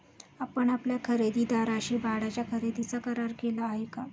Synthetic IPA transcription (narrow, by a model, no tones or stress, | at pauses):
apəɳapljakʰəɾed̪iːd̪aɾaɕiːbʱaɽat͡ɕjakʰəɾed̪it͡sakəɾaɾkelaːɦeka